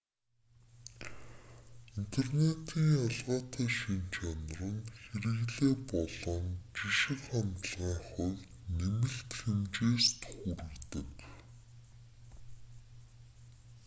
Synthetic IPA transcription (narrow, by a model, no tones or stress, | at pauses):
in̥t̪ʰernet̪ʰiːŋaɮʁaːt̪æːʃint͡ɕʰan̆rə̆nxeɾɘ̆ɣɮeːpɔɮɞ̆nt͡ɕiʃɪ̆kχant̪ɮʁaːχɔwʲ | nemɘ̆ɬt̪xemt͡ɕeːst̪xuɾɘ̆ɣt̪ɘ̆k